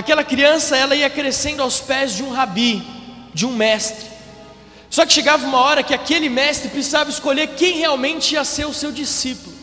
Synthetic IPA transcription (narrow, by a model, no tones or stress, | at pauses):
akɛlɐkɾiɐ̃sɐɛlɐiɐkɾesẽnd̪ʊawspɛzd͡ʒɪũɦabi | d͡ʒɪũmɛst̪ɾɪ | sɔkɪ̥ʃeɡavɐũmɐɔɾɐkɪakelɪmɛst̪ɾɪpɾisizavɐɪskoʎeɾkẽj̃heawmẽnt͡ʃɪiɐseɾʊsewd͡ʒisipʊlʊ